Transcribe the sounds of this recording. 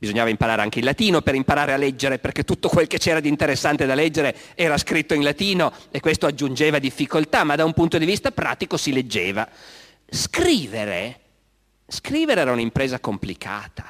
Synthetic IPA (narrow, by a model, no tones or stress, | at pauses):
bizoɲːaːvaimpaɾaːɾeaŋk̟eilat̪iːnopeɾimpaɾaːɾealːɛd͡ʒːeɾeperket̪ːut̪ːokwelket͡ʃɛːɾad̪int̪eɾesːant̪ed̪alɛd͡ʒːeɾe | ɛːɾaskɾit̪ːoinlat̪iːnoekːwest̪oad͡ʒːund͡ʒeːvad̪ifːikolt̪amad̪aumpunt̪od̪ivist̪apɾa̰ːt̪ikosiled͡ʒːeːva | skɾiːveɾḛ | skɾiːveɾeɛːɾaunimpɾeːzakomplikʰa̰ːt̪ḁ